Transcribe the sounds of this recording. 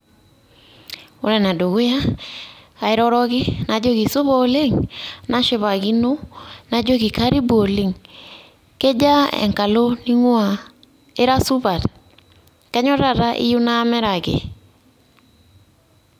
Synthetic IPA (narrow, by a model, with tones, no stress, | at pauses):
o̰˨˦ɾɛ˨na˨do˨ɣo˦ja˦ | a˨ɪ˦ɾɔ˦ɾɔ˦ɡɪ˦na˨d͡ʒo˦ɡi˨sʊ˦βɔ˦le˦ŋna˦ʃɪ˦βa˨ɡi˦no˦na˨d͡ʒo˦ɡi˨ka˦ɾi˦bo˨li˨ŋ | ke˦d͡ʒa˦ɛ̰˨ŋka˨lo˦ni˦ŋwa˨ | ɪ˦ɾa˦su˦βa˨t | kɛ˦ɲɔ˦ɾa˨ɾa˦ʔɪ̰˦ju˦na˦mɛ˦ɾa˨ɡɪ̰˨